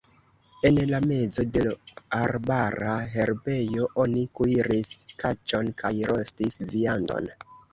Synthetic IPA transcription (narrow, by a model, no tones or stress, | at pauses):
e̞nlame̞zo̞de̞laɾbaɾaɦe̞ɾbe̞jo̞ʔo̞nikuiɾiskat͡ʃo̞nkʰajɾo̞stisviando̞̰n